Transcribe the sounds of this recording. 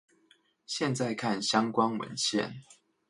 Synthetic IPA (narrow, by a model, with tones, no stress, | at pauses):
ɕjɛ˥˨nt͡sa˥˨ɪkʰa˥˨nɕjɑ˦ŋkwɑ˦ŋwə̰˨˦nɕjɛ̰˥˨n